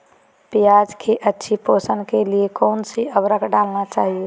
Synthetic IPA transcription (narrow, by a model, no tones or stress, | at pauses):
pijad͡ʒkʰeʔətːʃʰiposənkeliekɔːnsiəbɾəkɖalnat͡ʃaːɦie